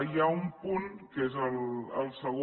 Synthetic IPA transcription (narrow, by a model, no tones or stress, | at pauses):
jaumpunkezələlˠsəɣo